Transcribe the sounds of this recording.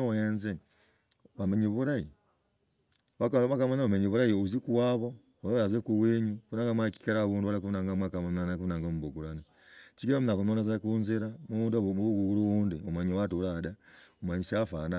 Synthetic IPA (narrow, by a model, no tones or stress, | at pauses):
jenze | βameɲiβuɾaji | βakβakamanaβameɲiβuɾajiuzikuwaβo | ozoɾazekuβweɲukunaŋɡamwaki̥kaɾaβuːnduhaɾakunaŋɡamwakamannakunaːŋɡomuβoɡuɾana | t͡ʃikiβamunakunonazakunziɾamuunduuɡuɡuɾuβuːndiomaɲiwatuɾadaumaɲiʃafana